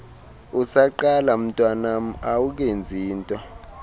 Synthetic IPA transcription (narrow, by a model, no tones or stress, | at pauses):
usaǃalam̩tʼwanam̩awuk̬end͡zʱiːntʼɔ